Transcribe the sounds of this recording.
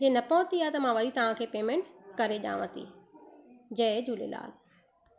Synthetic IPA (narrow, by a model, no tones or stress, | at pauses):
d͡ʑeːnɐpɔːʊ̃t̪iat̪ɐmãʋɐɗit̪ɐʋ̤ãkʰeːpeːmẽɳʈkɐɾeʄa̰ːʋət̪ḭː | d͡ʑɐd͡ʑuːlḛla̰ːl